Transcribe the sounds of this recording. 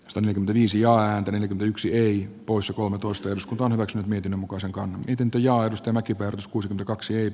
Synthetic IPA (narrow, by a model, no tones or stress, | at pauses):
sɑ̥t̪ɑneljækyment̪æʋiːsijɑːæːnt̪æneljækyment̪yksieipoissɑkolmet̪oist̪ɑeɾuskunt̪ɑonhyʋæksynyt̪miet̪inːømukɑiseŋkɑnːɑmmiet̪int̪ːøjɑːedust̪ɑjɑmækipæːrt̪yskuːsikyment̪ækɑksiei